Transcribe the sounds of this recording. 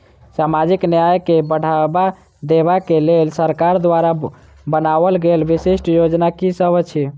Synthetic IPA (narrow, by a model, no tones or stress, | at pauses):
samad͡ʒiknjajkebəɽ̤aba | d̪ebakelelsəɾkaɾd̪waɾa | bənabəlɡelbisesʈjod͡ʒnakisəbət͡ʃʰi